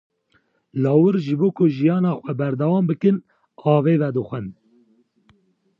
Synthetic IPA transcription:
lɑːwɨɾʒɨboːkʰʊʒijɑːnɑːxʷɛbɛɾd̪ɛwɑːmbɨkɨn | ɑːveːvɛd̪ɨxʷɛn

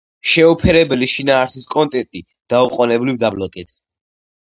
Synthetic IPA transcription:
ʃɛupʰɛɾɛbɛliʃinaːɾsiskʼɔnt̪ʼɛt̪ʼi | d̪̥auqʼɔnɛblivd̪ablɔkʼɛt̪ʰ

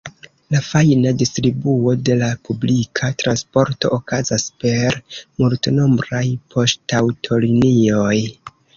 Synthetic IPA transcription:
lafajnadistɾibuo̞de̞lapublikʰatɾanspo̞ɾto̞̰ʔokazaspe̞ɾmultno̞mbɾajpʰo̞ʃtawtʰo̞linio̞j

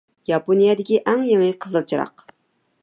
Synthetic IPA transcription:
jɑponijɛd̪ɪkʲiʔɛŋjeŋɨqʰəzəlˠt͡ʃʰiɾɑ̰q

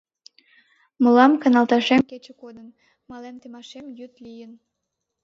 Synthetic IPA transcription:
məlɑmkɑnɑlˠt̪ɑʃemket͡ɕĕkod̪ən | mɑlemt̪emɑʃemjyt̪lijən

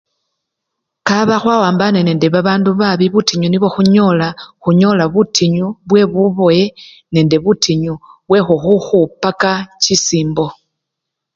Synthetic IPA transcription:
kaβaxwawaːmbanene̞ːnde̞βaβaːnduβaβiβutiɲuniβo̞xuɲo̞laxuɲo̞laβutʰiɲuβwe̞βuβo̞je̞ | ne̞ːnde̞βutʰiɲuβwe̞xuxuxupːakat͡ʃisiːmbo̞

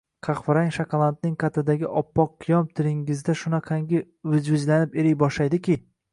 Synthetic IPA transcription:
qʰɑqvɪɾaŋʲʃakʰɑlˠant̪̚nɪŋqʰat̪ʰɪd̪aɡʲɪʔɒpːɒqːʰɨjɒmt̪ʰɪlɪŋɪzd̪aʃʊnaqʰɑŋɡʲɪ | ʊzvɪzlanɪpeɾɪjbɒʃlajd̪ɪkʲɪ

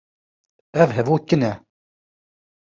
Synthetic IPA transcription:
ævɦəvwækːənæ

